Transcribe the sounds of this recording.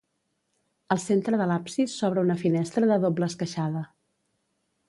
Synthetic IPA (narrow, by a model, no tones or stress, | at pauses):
əlˠsent̪ɾəðəlapsisːɔβ̞ɾəunəfinɛst̪ɾəðəðobləːskəʃaðə